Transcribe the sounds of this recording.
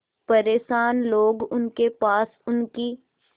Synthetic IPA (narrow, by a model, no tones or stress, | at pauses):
pɐɾeːʃaːnloːɡʊnkepaːsʊnki